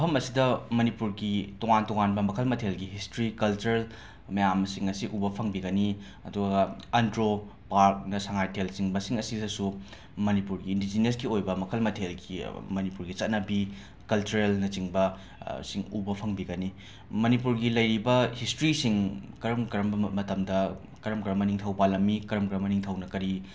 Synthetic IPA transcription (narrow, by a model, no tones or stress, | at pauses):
ɐpʰɐmɐsidɐmɐnipuɾɡitoŋantɔŋanbɐmɐkʰɐlmɐtʰelɡiɦistɾikɐlt͡ʃuɾel | mɐjamsiŋɐsiʔubɐpʰɐŋbiɡɐni | ɐ̰duɡɡɐɐndɾo | paɾk̚nɐsɐŋajtʰelsiŋbɐsiŋɐsidɐsu | mɐnipuɾɡiːndid͡ʒinɐsɡiojbɐmɐkʰɐlmɐtʰelɡimɐnipuɾɡit͡ʃɐt̚nɐbi | kɐlt͡ʃuɾelnɐt͡ʃiŋbɐ | siŋubɐpʰɐŋbiɡɐni | mɐnipuɾɡilɐjɾibɐhistɾisiŋkɐɾɐmkɾɐmbɐmɐtɐmdɐ | kɐɾɐmkɾɐmɐniŋtʰɐwbalɐmːikɐɾɐmkɾɐmɐniŋtʰɐwnɐkɐɾi